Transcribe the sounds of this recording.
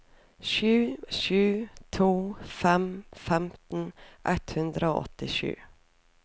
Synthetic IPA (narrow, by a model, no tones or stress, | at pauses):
ʃʉːʃʉːt̪ʰuːfɛmfɛmt̪n̩ʔɛt̪hʉnd̪ɾəo̰ːʔɔ̰t̪ɪʃʉ̰ː